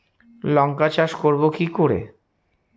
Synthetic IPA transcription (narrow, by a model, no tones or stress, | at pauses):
lɔŋkat͡ɕaʃkoɾbokikoɾḛ